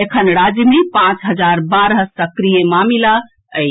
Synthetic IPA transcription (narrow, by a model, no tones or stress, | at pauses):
ekʰənɾad͡ʒmepãt͡ʃɦəd͡ʒaɾbaɾɦəsəkɾijemamila | əj